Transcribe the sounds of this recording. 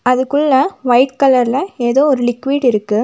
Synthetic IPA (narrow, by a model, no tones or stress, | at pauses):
ɐðɯkːɯɭːɐʋɐɪʈkɐlɐɾlɐeːðoːɔɾɯlɪkːʋiːɽɪɾɯkːɯ